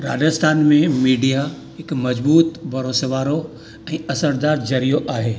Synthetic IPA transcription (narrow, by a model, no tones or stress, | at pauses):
ɾa̰ːd͡ʑəst̪ʰaːnmẽmiːɖija | ɦɪkmɐd͡ʑbuːt̪bʱɐɾoːsʋaːɾo | ɛ̃ːɐsəɾd̪aːɾd͡ʑɐɾijoʔaːɦeː